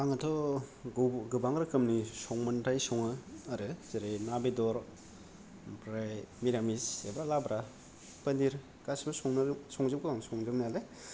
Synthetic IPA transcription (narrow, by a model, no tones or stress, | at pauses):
aŋatʰɔ | ɡɯbaŋɡɾɯkɯmnisɔŋmɐntʰajsɔŋɯːɾɯzeɾenabedɔɾ | pɾajmiɾamisebɾalabɾa | pɐndiɾ | ɡasbɯɾsɔŋnsɔŋzɯpɡɯbaŋsɔŋzɯniale